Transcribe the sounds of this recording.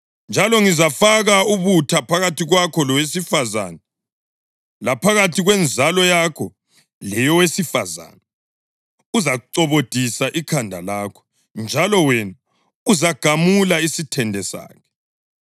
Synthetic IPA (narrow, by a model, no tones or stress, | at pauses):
nd͡ʒʱalɔŋizafaɣauβutʰapʰaɣatʰiɣwakʰɔlɔwesifaza̰na | lapʰaɣatʰiɣwɛnd͡zʱalɔjakʰɔ | lɛjɔwesifaza̰ːna | uzauǀɔβod̥ʱisaʔikʰandʱa̰laːkʰɔ̥ | nd͡ʒʱalɔwɛna | uzaɡ̥ʱamulaisitʰɛndʱɛsa̰ːkʰɛ̥